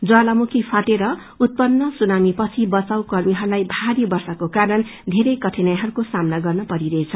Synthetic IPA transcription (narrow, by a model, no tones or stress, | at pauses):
d͡zalamukʰipʰaʈeɾʌ | ut̪̚pʌnːʌsunamipʌt͡sʰibʌt͡sawkʌrmiɦʌɾulajbʱaɾibʌrsʌkokaɾʌnd̪ʱeɾʌjkʌʈʰenajaɦʌɾukosamnaɡʌrnʌpʌɾiɾʌet͡sʰʌ